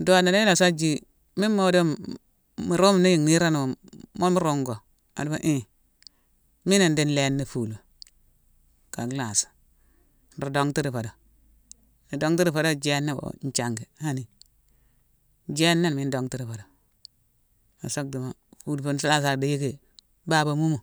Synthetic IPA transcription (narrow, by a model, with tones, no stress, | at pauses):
do˦˨na˨na˦i˦la˨sa˦d͡ʒi˦ | mi˦mmo˦do˦m | mi˨ɾo˦m˨ne˦ji˨ŋni˦ɾa˦n˨mo˦mu˦ɾo˦ŋɡo˨ | a̰˨du˦ba˨ʔi˦ | mi˦na˨ndi˦n˦le˦nːi˨fu˨l | ka˨ɡla˨sḁ˨ | n̩˨ɾo˨do˦ŋti˦ɾi˨fa˨do˨ | ni˨do˦ŋti˦ɾi˦˨fa˨do˦d͡ʒe˦nːa˦bo̰˨n˦t͡ʃa˨ŋɡi˨ha˦ni˨ | d͡ʒe˦nːa˦n˨mi˦n˦do˨ŋti˦ɾi˨fo˨do˨ | a̰˨so˦k̚di˨ma˨fu˨lfo˨˦nsa˦la˦s̬a˨ɾdi˨je˦ɡe˨ | ba˦˨ba˨mu˦mo˨